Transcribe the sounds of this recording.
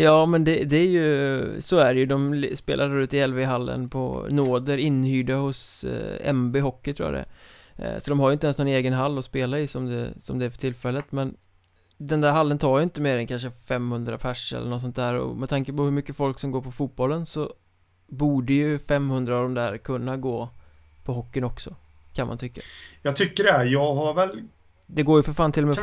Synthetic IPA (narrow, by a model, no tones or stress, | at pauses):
jɑːmɛnd̪ɛd̪ɛæɾjɵsɔæɾjɵd̪ɔmspḛːlʔaɖʉ̟ːt̪ɪɛlveɦalːə̰npʰɔ̰noːd̪əɾɪnːhyːɖahʊsɛ̰mbeɦɔkːɪt̪ʰɾṵːja̰ɖɛ̰ | sɔd̪ɔmhaɾjʏɪnt̪əɛnsnɔneːɡənɦalːɔspeːlaɪsɔmd̪ɛ̰sɔ̰md̪ɛæɾfœ̥ʈʰɪlːfɛlːət̪mɛn | d̪ɛnd̪æɾɦalːənt̪ʰɑːɾjʏɪnt̪əmeːɾɛnkʰanʂ̬əfɛmːhɵnd̪ɾa̰pʰæʂɛ̰lːənɔt̪sɔnt̪d̪æːɾɔ̰mɛt̪ʰaŋkəpɔhɵɾmʏkːəfɔlksɔmɡoːɾpʰɔfuːt̪̚bɔlːənsɔ | buːɖəjɵfɛmːhɵnd̪ɾaːvd̪ɔmd̪æːɾkʰɵnːaɡoː | pʰɔɦɔkːɪnɔksɔ | kʰanma̰nt̪ʰʏkːajɑːɡt̪ʰʏkːəɖɛæjɑːɡɦaɾvɛl | d̪ɛɡoːjəfœɾfaːnt̪ʰɪlːɔmɛ